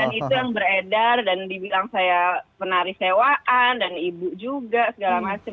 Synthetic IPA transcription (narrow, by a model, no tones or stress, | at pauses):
anit̪ujaŋbəɾedardandibilaŋsajapənaɾisewaʔandanibud͡ʒuɡasəɡalamat͡ʃə